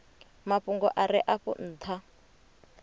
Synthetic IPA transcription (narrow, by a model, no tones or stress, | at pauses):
maɸuŋɡɔʔaɾɪʔaɸṵn̩ːt̪ʰa